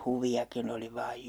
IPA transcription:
huʋiɑkin oli ʋɑːj

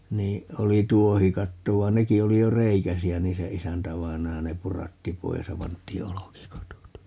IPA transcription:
niː oli tuohikɑtːo ʋɑi̯n neki oli jo reikæsiæ niː se isæntæʋɑinɑjɑ ne purɑtːi pois jɑ pɑntˑiː olokikɑtot

